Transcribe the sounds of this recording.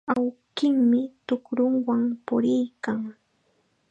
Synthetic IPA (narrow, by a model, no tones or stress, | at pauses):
awkɪŋmɪt̪ʊkɾʊŋwaŋpʊɾɪjkaŋ